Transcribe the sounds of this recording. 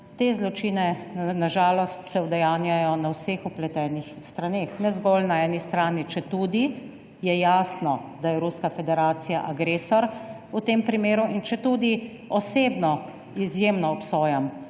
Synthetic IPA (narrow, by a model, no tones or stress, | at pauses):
t̪ezlɔt͡ʃinɛnaʒaːlɔst̪sɛwd̪ɛjaːnjajɔnawseːxuplɛt̪ɛːnixst̪ɾanexnɛzɡɔlnaɛnist̪ɾaːnit͡ʃɛt̪uːd̪i | jɛjaːsnɔd̪ajɛɾuskafɛd̪ɛɾaːt̪sija̰ʔaɡɾeːsɔɾ | ut̪empɾimeːɾuʔint͡ʃɛt̪ud̪i | ɔseːbnɔ | izjemnɔːpsɔːjam